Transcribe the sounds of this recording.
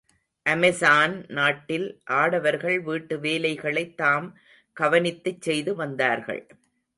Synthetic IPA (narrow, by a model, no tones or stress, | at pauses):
ʔɐmɛsaːnnaːʈːɪlʔaːɽɐʋɐɾɣɐɭʋiːʈːɯʋeːlɐɪɣɐɭɐɪt̪ːaːm | kɐʋɐnɪt̪ːɯt͡ʃːɛjðɯʋɐnd̪aːɾɣɐ̰ɭ